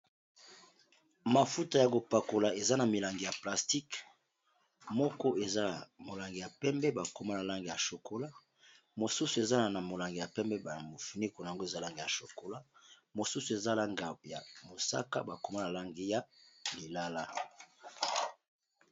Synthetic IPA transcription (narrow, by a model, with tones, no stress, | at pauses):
ma˨fu˦ta˨ja˨ko˨pa˨ko˨la˨e˨za˦na˨mi˨la˨ŋɡi˨ja˨pla˨sti˦k | mɔ˦kɔ˦e˨za˦˨mo˨la˨ŋɡi˨ja˨pɛ˦mbɛ˦ba˨ko˨ma˦na˨la˦ŋɡi˨ja˨ʃo˨kʰo˦la˦ | mo˨su˦su˨e˨za˦na˨na˨mo˨la˨ŋɡi˨ja˨pɛ˦mbɛ˦ba˨mo˨fi˨ni˦ko˨na˨a˨ŋɡo˦e˨za˦la˦ŋɡi˨ja˨ʃo˨ko˦la˦mo˨su˦su˨e˨za˦la˦ŋɡa˨bja̰˨mo˨sa̰˦ka̰˦ba˨ko˨ma˦na˨la˦ŋɡi˦ja˦li˨la˦la˦